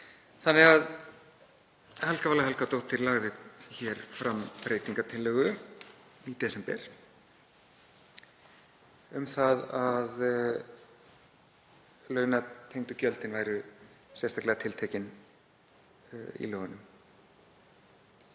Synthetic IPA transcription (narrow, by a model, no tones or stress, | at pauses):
θanːɪɣað | hɛlkavalːaɦɛlkat̪owht̪ʰːɪɾlaɣðɪçɛɾ̥fɾampɾejt̪iŋkat̪ʰɪlːœːɣʏ | it̪ɛsɛmpɛ̰ɾ̥ | ʏmθaðað | lœːɥnat̪ʰejŋt̪ʏcœlt̪ɪnvaːjɾʏ | sɛst̪aklɛɣat̪ʰɪlt̪ʰɛːcɪn | ḭlœːɣʏnːʏm